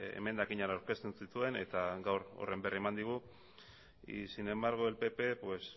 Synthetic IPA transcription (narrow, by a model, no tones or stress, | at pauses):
ḛme̞nd̪akiɲaɾawɾke̞st̪unsit̪ue̞ne̞t̪aɡawɾo̰re̞mbe̞rie̞mand̪iɣ̞u | sine̞maɾɣoelpe̞pe̞pwe̞s